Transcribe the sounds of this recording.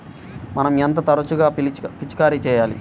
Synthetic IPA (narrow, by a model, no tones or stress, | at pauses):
mɐnɐment̪̬ɐt̪ɐɾɐt͡ʃuɡaːpit͡ʃi̥kaːɾit͡ʃɛːjaːlḭ